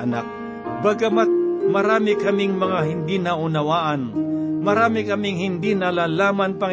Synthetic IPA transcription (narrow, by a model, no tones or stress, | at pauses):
ɐna̰k̚ | bɐɡɐmat̪̚mɐɾaːmɪkɐmɪŋmɐŋaɦɪnd̪inɐʔʊnɐwaːʔɐnmɐɾaːmɪkɐmɪŋhɪnd̪inɐlaːlaːmanpɐŋ